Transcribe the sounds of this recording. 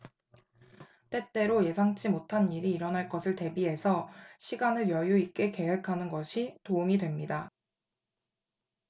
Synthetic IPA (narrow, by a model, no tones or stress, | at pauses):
t͈e̞t͈e̞ɾoje̞sʰaŋt͡ɕ͈imotʰaniɾiːɾʌnɦaɭk͈ʌsʰɯɭte̞biɦe̞sʰʌɕʰiɡanɯɭjʌjuik͈e̞ke̞ɦekʰanɯnɡʌɕʰitoumidwe̞mɲida